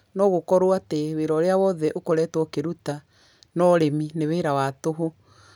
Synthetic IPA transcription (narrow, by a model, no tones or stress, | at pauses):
nɔːɣokɔɾoateweɾɔɾeawɔðɛʔokoɾɛːtwɔkeɾuta | nɔɾemineweːɾawatoɦo